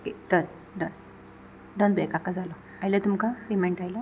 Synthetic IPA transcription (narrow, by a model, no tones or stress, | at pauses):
okeɖən | ɖən | ɖənbɛkakad͡zalɔ | ajlat̪umkapemeɳʈajla